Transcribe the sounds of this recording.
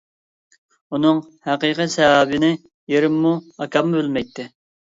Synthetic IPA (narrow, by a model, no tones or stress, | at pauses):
unɨŋhæqiqisɛwɑːbɪnɪ | jeɾɪmːuɑkʰɑmːubɪlmɛjt̪ʰːɪ